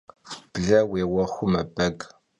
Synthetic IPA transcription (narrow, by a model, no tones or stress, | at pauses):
b̥ɮɐweːwɐxʷʊmɐbɐɡ